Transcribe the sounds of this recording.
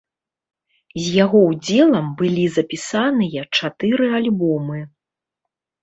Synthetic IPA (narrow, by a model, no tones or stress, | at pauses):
zʲjaɣɔwd͡zʲɛlˠɐmbɨlʲizɐpʲisanɨjɐt͡ʂat̪ɨɾɨalʲbɔmɨ